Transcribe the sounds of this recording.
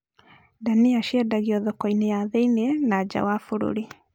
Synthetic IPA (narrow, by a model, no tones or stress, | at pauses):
daniaʃɛdaɣiɔðɔkɔinejaðɛinɛnad͡ʒa̰wafuɾṵɾi